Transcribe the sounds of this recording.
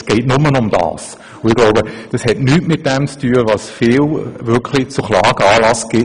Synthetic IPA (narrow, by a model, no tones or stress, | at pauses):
sɡ̥ɛɪtnʊmənʊmd̥ɑ̰ːs | ʊɪɡ̥loʊbəd̥ɑshɛtnyːtmɪt̚d̥ɛmt͡styːəvɑsfiːlvɪkʰlɪt͡sʊχlɑːɡ̥əɑːlɑsɡ̥ɪ